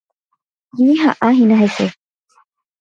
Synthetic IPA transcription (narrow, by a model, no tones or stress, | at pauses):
jiɦaʔaɦinaɦese